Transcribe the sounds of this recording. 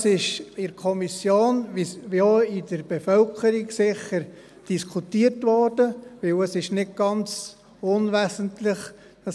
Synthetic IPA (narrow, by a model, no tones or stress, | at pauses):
sɪʃɪɾkʰɔmisjoːnoɪdəɾb̥ɛfœlkʰəɾiɡsɪχəɾ | d̥iskʰutiːəɾtʋɔɾd̥əʋɪwəsɪʃnɪt̚ɡ̥ɑnt͡s | ʊnʋæːsəntlɪχ | ɑ